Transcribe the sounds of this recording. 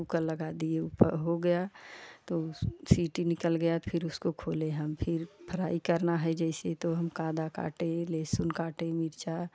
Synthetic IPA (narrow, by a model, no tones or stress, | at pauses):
ukəɾləɡad̪ieupə̰ɾɦoɡəjat̪osiːʈinɪkəlɡəjapʰɪɾʊskokʰoːlẽɦəmpʰɪɾpʰəɾaːikəɾnaɦɛd͡ʒɛɪset̪oɦəmkaːd̪aka̰ːʈẽleːsʊnkaːʈemɪɾt͡ʃa